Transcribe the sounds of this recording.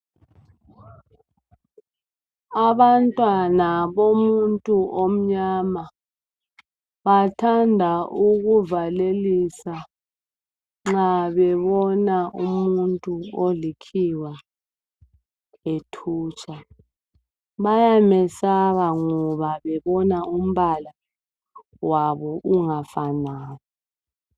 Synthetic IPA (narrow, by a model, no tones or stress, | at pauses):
aβantʼwanaβomuntʼuʔom̩ɲama | βatʰandʱaʔuɣuvalelisa | ŋ͡ǁaβɛβɔnaʔumuntʼuolikʰiwa | etʰuːt͡ʃʰʼa | βajamɛsaɣaŋɔβaβɛβɔnaum̩βala | waβɔʔuŋafanaːjɔ